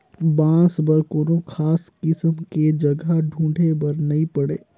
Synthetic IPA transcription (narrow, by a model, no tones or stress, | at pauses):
bãːsbɐɾkoːnokʰaːskɪsəmked͡ʒɐɡʱaɖʱũːɳɖʱebɐɾnɐɦĩpɐɽeː